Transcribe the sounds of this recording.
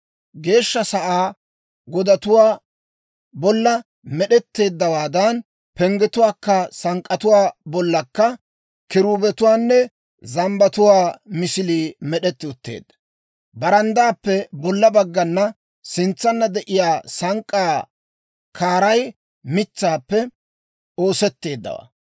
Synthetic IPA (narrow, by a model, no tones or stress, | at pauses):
ɡe̞ːʃːɐsɐʔaː | ɡɔd̪ɐt̪ʊwaː | bɔlːɐ | mɛɗɛt̪ːe̞ːd̪ːɐwaːd̪ɐn | pɛŋɡɛt̪ʊwaːkːɐsɐŋkʼːɐt̪ʊwaːbɔlːɐkːɐ | kɪɾuːbɛt̪ʊwaːnːɛ | zɐmbɐt̪ʊwaːmɪsɪliːmɛɗɛt̪ːɪʊt̪ːḛːd̪ːɐ̥ | bɐɾɐnd̪aːpːɛbɔlːɐbɐɡːɐnːɐ | sɪnt͡sːɐnːɐd̪ɛʔɪjaːsɐŋkʼːaː | kʰaːɾɐj | mɪt͡sːaːpːɛ | o̞ːsɛt̪ːe̞ːd̪ːɐ̰wa̰ː